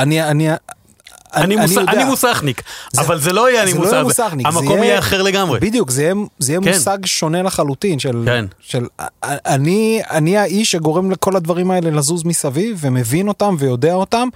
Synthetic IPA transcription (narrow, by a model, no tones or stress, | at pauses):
aniania | aninioanimusaχnikzavalzeloajeanimajaemusaχniamaekomijeaχeʁleɡamʁebid̪jukzejemzejemusaɡʃo̞nelaχalutinʃelkenʃelanianiaiʃeɡo̞ʁe̞mleko̞lad̪vaʁimae̞lelazuzmisavivveme̞vino̞tamve̞jo̞de̞ao̞tam